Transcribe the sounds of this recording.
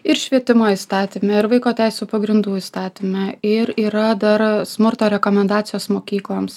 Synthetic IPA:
ɪɾʃʲʋʲiɛt̪ʲɪmoːist̪ɑːt̪ʲimʲɛɪɾʋɐɪkoːt̪ʲæɪsʲuːpɐɡɾʲɪnd̪uːiːst̪ɑːt̪ʲimʲɛɪɾiːɾɐd̪ɐɾsmʊɾt̪oːɾʲɛkoːmʲɛnd̪ɑːt̪sʲɪjoːsmoːkʲiːklˠɐms

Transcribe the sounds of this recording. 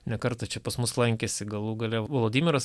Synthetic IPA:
nʲɛkɐɾt̪ɐt͡ʃʲɛpɐsmʊslˠɐŋʲkʲesʲɪɡɐlˠuːɡɐlʲɛʋolˠoːd̪ʲiːmʲɪɾɐs

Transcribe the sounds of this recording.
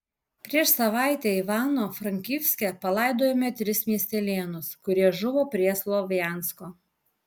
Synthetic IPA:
pʲɾʲiɛʃsɐʋɑˑɪt̪ʲeɪʋɑːnoːfɾɐŋʲkʲiːfʲsʲkʲɛpɐlˠɑˑɪd̪oːjɛmʲɛt̪ʲɾʲɪsmʲiɛsʲt̪ʲɛlʲeːnʊskʊɾʲiɛʒʊʋoːpʲɾʲiɛslˠɔʋʲɪjæːˑnskoː

